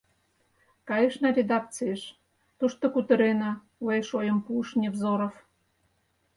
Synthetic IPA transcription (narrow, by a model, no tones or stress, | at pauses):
kɑjeʃnɑɾʲed̪ɑk̚t͡sɨeʃ | t̪uʃt̪okut̪ə̆ɾenɑ | wejʃojəmpuʃnʲevzoɾof